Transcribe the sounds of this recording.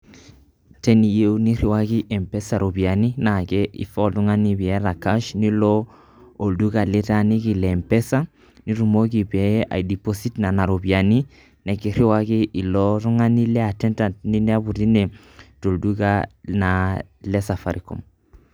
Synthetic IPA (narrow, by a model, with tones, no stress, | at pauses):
tɛ˦ni˨je˦uni˦ri˨wa˦ki˦ʔɛ˨mpɛ˦sa˨ɾo˨bi˨a˨ni˦na˨kɛ˦ʔḭ˨fɔ˦ltu˦ŋa˦nibi˨ɛ˦ɾa˨ka˦ʃni˦lɔ˦ | o˨ldu˦ka˨lɪ˦ta˦ni˦ki˨lɛmpɛ˦sa˦ | ni˦ɾu˨mo˦ki˨bɛ˨˦a̰˨jdi˨posi˦tna˨na˨ɾo˨bi˨a˨ni˦ | nɛ˨ki˨ɾɪ˦wa˦ki˦ʔi˨lɔ˦ɾu˦ŋa˦ni˦lɛ˦a˨tɛ˦nta˨ntni˦nɛ˦a˦bu˨ɾi˦nɛ˨ | to˨lduka˦na˨ | lɛ˦sa˨fa˨ɾikɔ̰˨m